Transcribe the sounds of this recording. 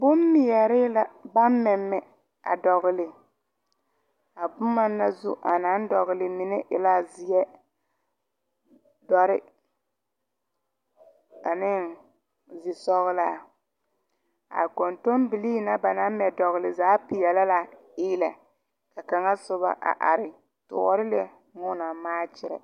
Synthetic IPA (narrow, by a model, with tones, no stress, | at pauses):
bʊ˦mːi˨jɛ˨ɾɪ˦la˦˨ba˦mmɛ˨mːɛ˨ | a̰˨dɔ˨ɣʊ˨lɪ˨ | a˨bʊ˦ma˦nːa˦zu˦ʔa̰˨na˦n˦dɔ˨ɣʊ˨lɪ˨mi˨nɛ˦ʔɪ˨la˦zɪ˨jɛ˦ | dɔ˦ɾɪ˦ | a˨nɪ˦ŋ | zɪ˨sɔ˦ɣʊ˦la˦˨ | a̰˨ko˨nto˦mbi˨liː˦na˦ba˨na˦mɛ˨dɔ˨ɣʊ˨lɪ˨zaː˨˦pɪ˨jɛ˨la˦la˨ | ɪː˦la˨ | ka˨ka˨ŋa˦sʊ˦ba̰˦ʔa̰˨ʔa̰˨ɾɪ˨ | tʊ̰˨ʔɔ̰˦ɾɪ˦le˦ | ŋʊ˦na˨maː˦t͡ʃɪ˦ɾɛ̰˨